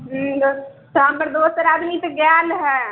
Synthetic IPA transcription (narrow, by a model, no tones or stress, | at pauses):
ɦd̪ot̪ambəɾd̪oːsəɾaːd̪mit̪oɡjaːlɦɛː